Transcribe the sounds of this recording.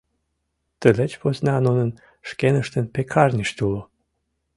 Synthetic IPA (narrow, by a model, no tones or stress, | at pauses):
t̪əlet͡ɕpoznɑnunən | ʃkenəʃt̪ənpekʰɑrnʲiʃt̪ʲulo